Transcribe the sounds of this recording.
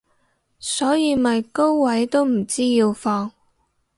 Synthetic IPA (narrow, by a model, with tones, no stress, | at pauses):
sɔː˨˥jiː˨˧mɐ˨jko˥wwɐ˨˥jt̪o˥wm̩˨˩t͡siː˥jiː˧wfɔː˧ŋ